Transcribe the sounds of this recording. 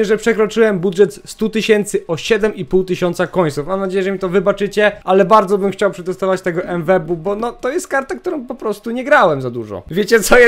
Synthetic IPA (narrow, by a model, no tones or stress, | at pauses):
ɛʐɛpʂɛkɾɔt͡ʂɘwɛmbudʐɛt̪st̪ut̪ɘɕɛnt̪sɘʔɔɕɛd̪ɛmipuwt̪ɘɕɔnt̪sakɔɲ̃sufmamnad͡ʑejɛʐɛmʲit̪ɔvɘbat͡ʂɘt͡ɕɛalɛbaɾd̪zɔbɘmxt͡ɕawpʂɛɡ̪ɔst̪avat͡ɕt̪ɛɡɔʔɛnvɛbubɔnɔt̪ɔjɛst̪̚kaɾt̪ak̚t̪uɾɔ̃w̃pɔpɾɔst̪uɲɛɡɾawɛmzad̪uʐɔ̰vʲjet͡ɕɛt̪sɔ